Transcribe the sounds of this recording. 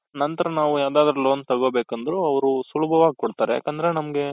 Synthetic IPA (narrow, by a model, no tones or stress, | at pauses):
nɐnt̪ɐɾɐnaːʋujaːd̪aːd̪ɐɾɐlo̞ːnt̪ɐɡo̞ːbeːkɐnd̪ɐɾuɐʋɐɾusulubʱɐʋaːɡikɔɽt̪aːɾeja̰ːkɐnd̪ɐɾenɐmɐɡe̞